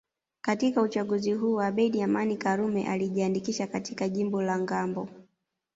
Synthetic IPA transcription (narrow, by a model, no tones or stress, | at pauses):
katikaut͡ʃaɠuziɦuːwaɓɛɗiamanikaɾumɛ̰ʔaliʄiandikiʃakatikaʄimbɔlaŋɡambɔ